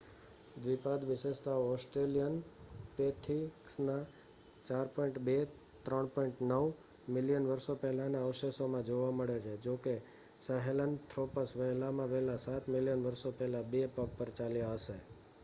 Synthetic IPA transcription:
d̪ʋipad̪ʋɪʃeʃt̪aoɔsʈɾelijənpet̪ʰiksna | t͡ʃaɾpɔĩɳʈbe | t̪ɾəɳpɔiɳʈnəʋ | mɪljənʋəɾsopɛɦlanaəʋʃesomãd͡ʒoʋaməɭet͡ʃʰed͡ʒoke | səɦelənt̪ʰɾopəsʋəɦlamãʋɛɦlasat̪mɪlijənʋəɾsopɛɦlabepəppːəɾt͡ʃaljaɦəʃe

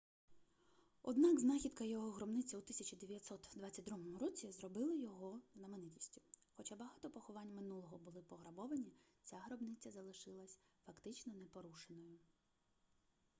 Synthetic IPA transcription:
ɔ̰d̪nɑɡznɑxʲid̪kɐjɔɦɔɦɾɔbnɪt͡sʲɐut̪ɪsʲɐt͡ʃid̪eʋʲijɐt̪ʲsɔt̪d̪ʋɑt͡sʲːɐt̚ʲd̪ɾumɔmʊɾɔt͡sʲizrɔbɪlˠɪjɔɦɔznɐmenɪtʲi̥sʲtʲʊ̥xɔt͡ʃabɐɦɑt̪ɔpɔxɔʋɑnʲːmɪnulˠɔɦɔbʊlˠɪpɔɦɾɐbɔʋɐnʲit͡sʲaɦɾɔbnɪt͡sʲːɐzɐlˠɪʃɪlˠɐsʲfɐkt̪ɪt͡ʃnɔnɛpɔɾuʃenɔjʊ

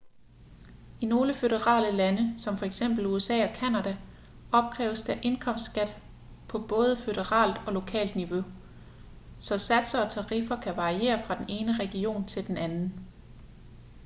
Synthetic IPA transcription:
ino̝ːləføɾəʁɑ̰̈ːləlænəsɒ̽mfɒ̽eɡ̥sem̰b̥l̩uesɛ̰ːɒ̽kʰænæd̥æ | ɒ̽b̥̚kʰʁɛ̰ːʊəsd̥æʔe̝nkʰɒ̽m̰sd̥sɡ̥æd̥ | pʰɒ̽b̥ɔ̽ːð̞ˠəfød̥əʁɑ̰̈ːld̥ɒ̽lo̝kʰɛ̰ːld̥niʋo̝ | sɒ̽sæd̥sɐɒ̽t͡sʰɑ̈ʁifɐkʰæʋɑ̈ʁie̝̰ːɐfʁɑ̈d̥ene̝ːnəʁɛɡ̥io̝̰ːnt͡sʰe̝ld̥enænn̩

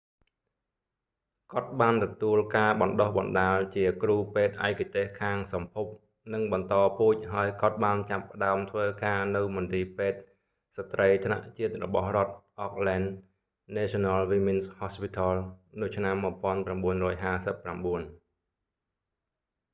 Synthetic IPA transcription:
kŏət̪̚ɓaːnt̪ɔt̪uəlkaːɓɑnɗohɓɑnɗaːlt͡ɕiəkruːpeːt̪̚ʔa̰ɛkat̪eːhkʰaːŋsɑmpʰup̚ | nɨŋɓɑnt̪ɑːpuːc̚ɦaəjkŏət̪̚ɓaːnt͡ɕapːə̆ɗaəmt̪ʰʋəːkaːnɨwmʊnt̪iːpeːt̪̚ | sat̪rəjt̪ʰna̰ʔt͡ɕiət̪̚rɔ̰ɓɑhrŏət̪̚ʔɑk̚lɛnː | eːsɔnalʋiːminshɔspit̪ʰɑlnɨt͡ɕʰnamːuəpŏənpramɓuənrɔːjɦaːsəpːramɓuən

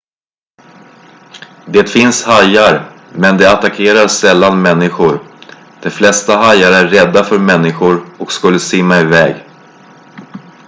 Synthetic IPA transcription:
d̪eːt̪fɪnshajaɾ | mɛnd̪ɛat̪akʰeːɾaɾsɛlːanmɛnːɪɧʊɾ | d̪̥ɛflɛst̪aɦajːaɾəæɾːɛd̪ːafœɾmɛnːɪɧʊɾɔkskɵlːəsɪmːaɪvɛːɡ

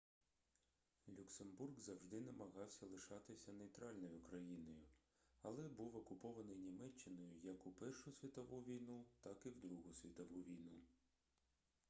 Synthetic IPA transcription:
lʲuksemburɡzɐwʒd̪ɪnɐmɐɦɑwsʲɐlˠɪʃɑt̪ɪsʲɐnejt̪ɾɑlʲnɔjʊkɾɐjinɔjʊ | ɐlˠɛbuwɔkʊpɔʋɐnɪjnʲimɛt͡ʃːɪnɔjʊjɐkʊpɛrʃʊsʲʋʲit̪ɔʋuʋʲijnut̪ɑkiwd̪ɾuɦʊsʲʋʲit̪ɔʋuʋʲijnu

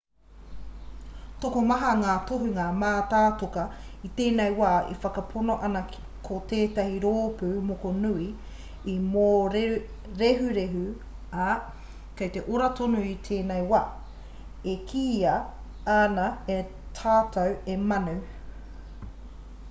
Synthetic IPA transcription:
tokomɐɦɐŋaːt̪oɦuŋaːmaːtaːtokɐit̪eːnejwaːʔḛfɐkɐpʰonoʔɐnɐ | kʰot̪eːtɐhiɾoːpʉːmokonui | imoɾ | ɾeɦʉɾeɦʉ | ɐ | kɐjt̪eʔoɾɐtonuit̪ʰeːnejwaː | ekʰiːɐ | anɐe | tʰaːtɐwemɐnu

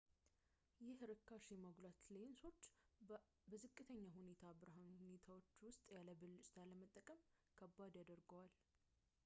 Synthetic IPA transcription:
jɪhɨɾɨkʰːaʃɛməɡlat̪lenso̞t͡ʃː | bəzɨkʼːɨt̪ʰəɲːahune̞t̪ʰabɨɾɦanune̞t̪ʰawo̞t͡ʃːwʊst̪ʼjaləbɨlːt͡ʃʼt̪ʰaləmət̪ʼːəkʼəmkʰəbːad̪jad̪əɾɡəwal

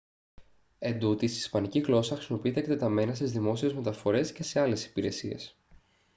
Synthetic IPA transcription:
e̞nd̪ut̪isispɐniciɣlo̞sɐxɾisimo̞piit̪ekt̪et̪ɐme̞nɐst̪izðimo̞sie̞zme̞t̪ɐfo̞ɾe̞sce̞se̞ɐle̞si̥piɾe̞sie̞̰s

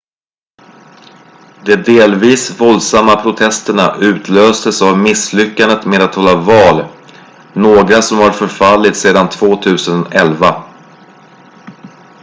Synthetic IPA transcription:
d̪ɛd̪eːlviːsvɔld̪samːapʰɾʊt̪ʰɛst̪əɳaʔʉ̟ːt̪ʰløːst̪əsavmɪslʏkːand̪ət̪meːd̪at̪hɔlːavɑːl | noːɡɾasɔmhaɾfœɾfalːɪt̪seːd̪ant̪ʰvoːt̪ʰʉ̟ːsənɛlva

